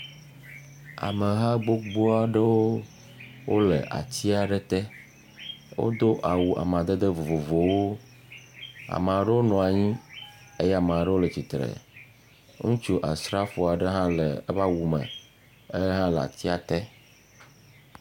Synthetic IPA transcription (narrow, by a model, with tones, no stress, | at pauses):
a̰˨mə˨ɦa˦ɡ͡bo˦ɡ͡bo˦a˨ɖə˦wo˦ | wʔo˦lə̰˨ʔa̰˨t͡ɕ̪i˦a˨ɖə˦t̪ɛ˦ | wo̰˦d̪o˦ʔa˨wu˨ʔa̰˨m˨a˨d̪ə˦d̪ə˦vo˨vo˨vo˨wo˦ | a̰˨mə̃˨a˨ɖə˦wo˦nɔ̃˨a˨ɲĩ˦ | e˦jɛ˦a˨mə˨a˨ɖə˦wo˦lə˨t͡ɕi˨t̪ɾḛ˨ | ŋũ˦t͡ʃu˦ʔa˨sɾa˦fo˨a˨ɖə˦ɦã˦lə˨˦va˦wu˨mə̰̃˨ | ə˦ɦã˦la̰˨t̪i˦a˨t̪ɛ˦